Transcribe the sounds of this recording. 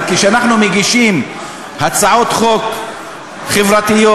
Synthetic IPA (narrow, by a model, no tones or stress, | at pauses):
kiʃeanaχnumeɡiʃim | hat͡saʕot̪χok | χevʁat̪ijo